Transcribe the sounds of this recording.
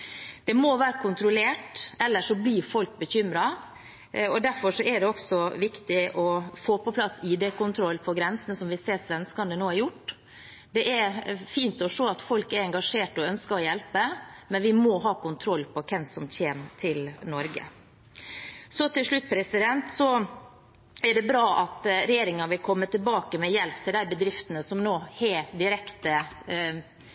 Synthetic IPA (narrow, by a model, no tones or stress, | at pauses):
d̪̥ɛmoʋæːɾəkʰʊnt̪ɾʊleːʈɛlːəʂɔbliːɾfɔlk̚bəçʏmɾɑ | ɔd̪æɾfɔʂɔɛɖɛɔksɔʋɪkt̪ɪʔɔfoːpɔpʰlɑsiːd̪ɛkʊnt̪ʰɾɔlːpʰɔɡɾɛnsənəsɔmʋɪseːsʋɛnskɑnənoːæɾjʊʈː | d̪ɛʔɛɾfiːnt̪ɔʂoːɑt̪fɔlkæɾɛŋɡɑʂeːʈɔœnskəɾɔjɛlpəmɛnʋɪmɔɦɑːkʊnt̪ʰɾɔlːpʰɔkʰɛmsɔmtʰeːnt̪ʰɪlnɔɾɡə̰ | sɔt̪ʰɪlʂɭʉt̪̚ːpʰɾɛsɪd̪ɛnt̪sɔ | æɖɛbɾɑːʔɑt̪ɾɛjeːɾɪŋɑnʋɪlkʰɔmːət̪ʰɪlbɑːkəmɛjɛlpt̪ʰɪld̪æɪbəd̪ɾɪft̪ənəsɔmnoːheːd̪ɪɾɛkt̪ə